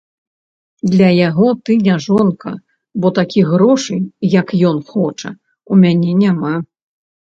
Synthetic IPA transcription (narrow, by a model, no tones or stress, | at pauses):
d̪lʲɐjaɣɔt̪ɨnʲaʐɔnkɐ̰ | bɔt̪akʲʰiɣɣɾɔʂɨjjɐkjɔnxɔt͡ʂɐ̰ | umʲanʲɛnʲama